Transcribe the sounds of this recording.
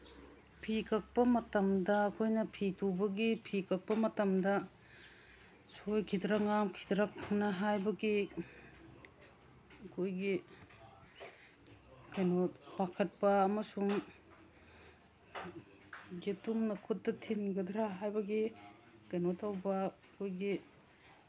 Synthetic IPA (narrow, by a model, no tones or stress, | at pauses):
pʰikʰɐk̚pɐmɐtɐmdɐːkʰojnɐpʰitubɐɡipʰikʰɐk̚pɐmɐtɐmdɐ | sojkʰidɾɐŋamkʰi̥dɾɐk̚nɐɦajbɐɡi | ɐkʰojɡi | kɐjnot̚bakʰɐt̚pɐːmɐsuŋ | ɡetumnɐkʰut̚dɐtʰinɡɐdɾaɦajbɐɡi | kɐjnotʰawbɐ | kʰojɡi